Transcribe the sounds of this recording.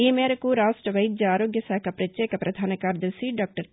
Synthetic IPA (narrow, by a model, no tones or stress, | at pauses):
iːmeːɾɐkuɾaːʂʈɾɐʋɐjd͡ʒjɐaːɾoːɡjɐsaːkʰɐpɾɐt͡ʃjeːkɐpɾɐd̪ʱaːnɐkaːɾd̪ɐsiɖaːk̚ʈɐɾ